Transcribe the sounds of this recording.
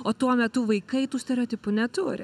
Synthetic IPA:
oːt̪uɔmʲɛt̪ʊʋɐɪkɐɪt̪uːsʲt̪ʲɛɾʲɛot̪ʲɪpʊnʲɛt̪uːɾʲɪ̰

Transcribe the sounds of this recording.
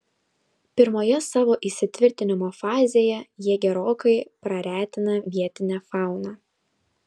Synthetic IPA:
pʲɪɾmoːjɛsɑːʋoːʔisʲɪt̪ʲʋʲɪɾʲt̪ʲɪnʲɪmoːfɑːzʲeːjɛjiɛɡʲɛɾoːkɐɪpɾɐɾʲæːt̪ʲɪnɐʋʲiɛt̪ʲɪnʲæːfɑˑʊnɑː

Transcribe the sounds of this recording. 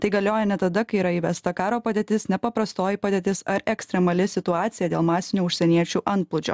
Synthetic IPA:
t̪ɐɪɡɐlʲoːjɛnʲɛt̪ɐd̪ɐkɐɪiːɾɐiːʋʲɛst̪ɐkɑːɾoːpɐd̪ʲeːt̪ʲɪsnʲɛpɐpɾɐst̪oːjipɐd̪ʲeːt̪ʲɪsɐɾɛksʲt̪ʲɾʲɛmɐlʲɪsʲɪt̪ʊɑːt̪sʲɪjɛd̪ʲeːlˠmɑːsʲɪnʲuːʊʃʲsʲɛnʲiɛt͡ʃʲuːʔɐnt̪̚plˠʊd͡ʒʲo̰ː

